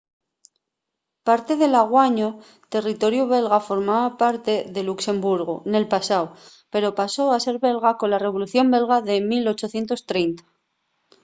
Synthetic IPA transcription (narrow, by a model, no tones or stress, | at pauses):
paɾt̪e̞ðe̞laɣ̞waɲo | t̪e̞rit̪o̞ɾjuβ̞e̞lɣafo̞ɾmaβapaɾt̪e̞ðe̞lukse̞mbuɾɣ̞o̰ne̞lpasaw | pe̞ɾo̞paso̞ase̞ɾβe̞lɣako̞nlare̞β̞o̞luθjo̞mbe̞lɣaðe̞milo̞t͡ʃo̞θje̞nt̪o̞st̪ɾe̞jnt̪ḁ